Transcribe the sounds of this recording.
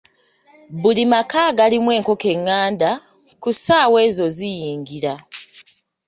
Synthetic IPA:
bulimakaːɡalimwe̞ːŋko̞ke̞ŋːaːnda | kusaːwe̞ːzo̞zijiːŋɡiɾa

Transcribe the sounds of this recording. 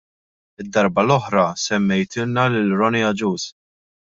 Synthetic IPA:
ɪd̪ːɐɾbɐlɔħɾɐsɛmːɛjt̪ɪnnːɐlɪlɾɔnɛɐd͡ʒuːs

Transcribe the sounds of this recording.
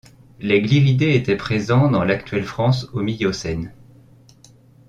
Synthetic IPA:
leɡliʁid̪eet̪ɛpχezɑ̃d̪ɑ̃lakt̪ɥɛlfχɑ̃somijosɛn

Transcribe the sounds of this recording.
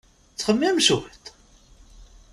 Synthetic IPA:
t͡sːχəmːæmʃut̪

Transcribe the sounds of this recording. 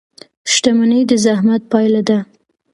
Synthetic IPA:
ʃʈ̪amanəjd̪əzahmat̪̚pɑjlad̪a

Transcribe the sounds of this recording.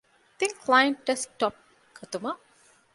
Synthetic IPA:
t̪ĩŋkʰlajə̃ɳʈɐsʈɔp̚ | kʰɐt̪uma

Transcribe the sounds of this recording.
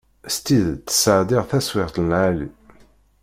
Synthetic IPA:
st̪iðt̪ːə̥səʕd̪ɪʁθæswɪʁt̪nʕalḭ

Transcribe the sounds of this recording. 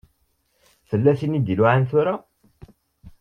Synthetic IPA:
θəlːæθinid̪iluʕanθʊɾa

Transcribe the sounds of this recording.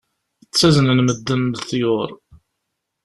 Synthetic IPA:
θət͡sːæznənməd̪ːənd̪θjʊɾˤ

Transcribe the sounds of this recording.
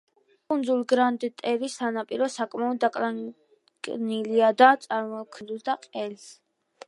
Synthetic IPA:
kʼund̪zulɡɾand̪t̪ʼɛvisanapʼiɾɔsakʼmaɔd̪ːakʼla | ɡniliad̪at̪sʼaɾmɔkʰnzuld̪aqʼɛls

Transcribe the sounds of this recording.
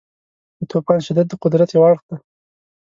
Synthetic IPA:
d̪ət̪ʰopɑnʃɪd̪ad̪̚ːəqʊd̪ɾat̪jawɑɽxd̪a

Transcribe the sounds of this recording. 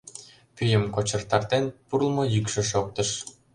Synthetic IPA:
pyjə̆mkot͡ɕə̆rt̪ɑrt̪enpurlˠmɤ̆jykʃĕʃok̚t̪ə̆ʃ

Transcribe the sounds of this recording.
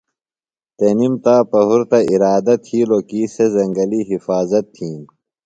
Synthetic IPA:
t̪enimt̪aːpɐɦuɾt̪ɐiɾaːd̪ɐt̪ʰiːloːkiːsezɐŋɡɐliɦifaːzɐt̪ʰːĩːn

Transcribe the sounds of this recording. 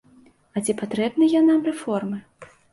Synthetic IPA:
at͡sʲɛpat̪ɾɛbnɨjɛnamrɛfɔrmɨ

